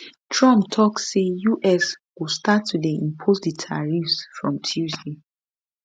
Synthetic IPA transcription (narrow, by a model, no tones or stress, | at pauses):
tʰɹɔ̃mp̚tʰɔksejuʔɛswistatʰːudeĩmpʰosdətʰaɹifsfɹɔ̃mtʰjuzde